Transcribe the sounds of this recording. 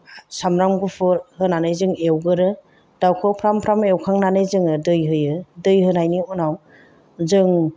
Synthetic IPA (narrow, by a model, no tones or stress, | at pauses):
samɾamɡɯpʰɯɾhɯnanɯjzɯŋewɡɯɾɯ | d̥awkʰɯwpʰɾampʰɾamewkʰaŋnanɯjzɯŋɯdɯjɦɯjɯdɯjɦɯnajniɔnaw | zɯŋ